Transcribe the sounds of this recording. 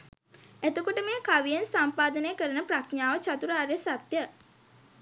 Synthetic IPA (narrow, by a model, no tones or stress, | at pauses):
æt̪əkoʈəmeːkaʋijensampaːd̪ənəjkəɾənəprakɲaːʋət͡ʃat̪uɾəaɾesat̪jə